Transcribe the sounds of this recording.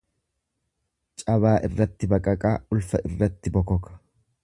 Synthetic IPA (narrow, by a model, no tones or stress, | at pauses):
t͡ʃʼɐβaːʔɪrːɐt̪ːɪbɐkʼɐkʼaːʊlfɐʔɪrːɐt̪ːɪbɔkɔkɐ̥